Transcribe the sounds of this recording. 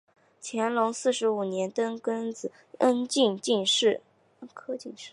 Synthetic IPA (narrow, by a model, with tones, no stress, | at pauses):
t͡ɕʰjɛ˧˥nlʊ˧˥ŋsɹ̩˥˩ʂɻ̩˧˥u˨˩njɛ˧˥nt̪ə˥nkə˥nd͡zɹ̩˨˩˦ | ə˥nt͡ɕi˥˧ŋt͡ɕi˥˧ŋʂɻ̩˥˩ | ə˥kʰɤ˥t͡ɕi˥˧ŋʂɻ̩˥˩